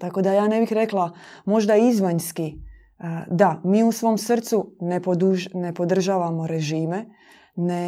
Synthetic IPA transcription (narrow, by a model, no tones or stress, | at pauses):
t̪ako̞d̪ajaːne̞bixɾe̞klˠamo̞ʒd̪aizʋaɲski | d̪amiːusʋo̞msr̩t̪sunepod̪uʒne̞po̞d̪r̩ʒaːʋamo̞ɾe̞ʒiːme̞ | ne